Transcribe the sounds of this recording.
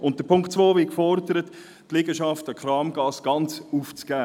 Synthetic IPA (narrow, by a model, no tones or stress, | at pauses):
ʊnt̚d̥əpʰʊŋktt͡svoːvɪkfɔɾdəɾət | tlɪɡəʃɑftəkχɾɑːmɡ̥ɑːsɡ̥ɑnt͡suːft͡sɡ̥æː